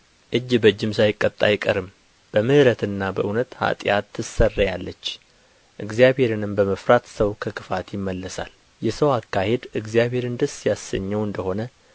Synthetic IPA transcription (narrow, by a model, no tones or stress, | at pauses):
ʔɨd͡ʒːbəd͡ʒːɪmsajɪkʼːət̪ʼːajɪkʼəɾɨm | b̥əmɨhɨɾət̪ɨnːabəʔɨnət̪ha̰t̪ʼjat̪ʰːɨsərːəjalːət͡ʃː | ʔɨɡzijaβhe̞ɾɨnɨmbəməfɾat̪səwkʰəkʰɨfat̪jɪmːəlːəsa̰l | jɛsəwakːahe̞d̪ɨɡzijaβhe̞ɾɨnd̪ɨsjasːəɲːɛwɨnd̪əho̞nə